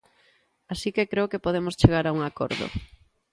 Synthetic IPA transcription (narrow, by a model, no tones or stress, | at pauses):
asikekɾeokepoð̞emost͡ʃeɣ̞aɾauŋako̰ɾðo̰